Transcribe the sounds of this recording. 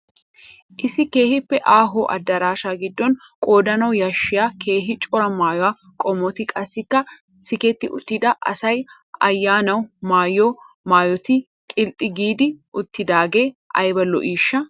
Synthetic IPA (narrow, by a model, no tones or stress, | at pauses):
ʔɪsɪke̞ːhɪpːɛʔaːɦoːʔɐ̰d̪ːɐɾaːʃaːɡɪd̪ːɔn | kʼo̞ːd̪ɐnɐwjɐʃːɪjaːkʰe̞ːɦɪt͡ʃʼɔɾɐmaːjɔwaː | kʼɔmɔt̪ɪkʼɐsːɪkːɐ | sɪkɛt̪ːɪʔʊt̪ːɪd̪ɐʔɐ̰sɐj | ɐjːaːnɐwmaːjːoː | maːjɔt̪ɪ | kʼɪlt̪ʼːɪɡiːd̪ɪʔʊt̪ːɪd̪aːɡe̞ːʔɐ̰jbɐlɔ̰ʔiːʃːɐ